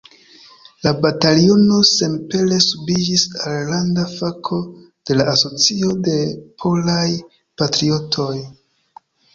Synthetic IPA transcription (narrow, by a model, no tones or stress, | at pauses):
labatalio̞no̞se̞mpe̞le̞subid͡ʒisalːandafakʰo̞ | d̥e̞laːso̞t͡sio̞de̞pʰo̞laj | patɾio̞tʰo̞j